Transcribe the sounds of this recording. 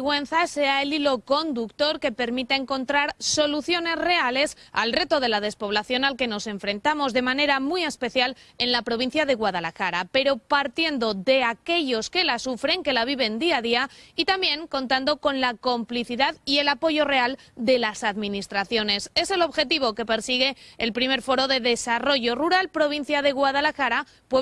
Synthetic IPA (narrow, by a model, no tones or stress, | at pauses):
ɣwe̞n̟θase̞aelilo̞ko̞nd̪ukt̪o̞ɾke̞pe̞ɾmit̪aeŋko̞nt̪ɾaɾso̞luθjo̞ne̞zre̞ale̞sa̰lre̞t̪o̞ðe̞lað̞e̞spo̞β̞laθjo̞nalke̞no̞se̞ɱfɾe̞nt̪amo̞zðe̞mãne̞ɾamie̞spe̞θjale̞nlapɾo̞βin̟θjaðe̞ɣwað̞alaxaɾape̞ɾo̞paɾt̪je̞nd̪o̞ðe̞ake̞ʝo̞ske̞lasufɾe̞ŋke̞laβ̞iβ̞e̞nd̪iaðiait̪ambje̞ŋkõ̞nt̪and̪o̞ko̞nlako̞mpliθiðaðie̞lapo̞ʝo̞re̞ald̪e̞lasaðmĩnist̪ɾaθjo̞ne̞se̞se̞lo̞βxe̞t̪iβ̞o̞ke̞pe̞ɾsiɣ̞e̞ːlpɾime̞ɾfo̞ɾo̞ðe̞ðe̞saro̞ʝo̞ruɾalpɾo̞β̞in̟θjaðe̞ɣwaðalaxaɾa | pwe